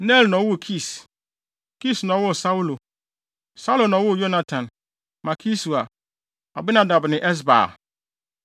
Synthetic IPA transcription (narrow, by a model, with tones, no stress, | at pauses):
nɛ˦˨lnɔ̃˨˦wʊ˦˨kʰi˦˨s | kʰi˦snɔ̃˨˦wʊ˦˨sa˦wu˦lo˨ | sa˦lo˨nɔ̃˨˦wʊ˦˨jo˦nã˦tʰã˨n | ma˨kʰi˦su˨a˨ | a̰˨bɪ˦nã˨da˨bnɪ̃˨ʔɛ˦s̬ba̰ː˨